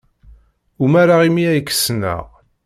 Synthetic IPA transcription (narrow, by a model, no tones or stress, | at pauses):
umæɾaʁimiæjkːə̥snæ̰ʁ